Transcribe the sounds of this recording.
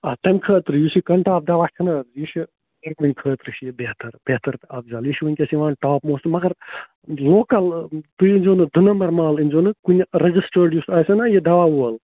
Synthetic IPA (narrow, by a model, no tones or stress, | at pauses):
ɐt̪ɐmʲkʰəːt̪ɾɨjusikɐɳʈaːb̚d̪aʋat̪ʰinɐjiʃi | t̪ɐɾkunʲkʰəːt̪ɾɨʃʰjibeːt̪ʰɐɾbeːt̪ʰɐɾɐbzaːljiʃʰʋɐnʲkʲɐsiʋaːnʈaːpmoːsɨmɐɡɐɾ | loːkɐlt̪ujinʲd͡ʒoːnɨd̪ʱɨnɐmɐɾmaːlinʲd͡ʒonɨkunʲɾɐd͡ʒisʈəɾɖjusɐːjsɐnajid̪ɐʋawuɐl